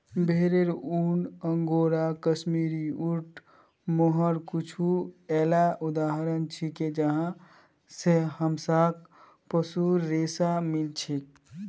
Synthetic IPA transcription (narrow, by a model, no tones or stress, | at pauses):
bʱeɾeɾunəŋɡoɾakəsmiɾiuʈʰ | moɦəɾkut͡ʃʰuɛːlaʔud̪aɦɾənt͡ʃʰiked͡ʒəɦã | sehəmsak̚ | pəsuɾːesamilt͡ʃʰek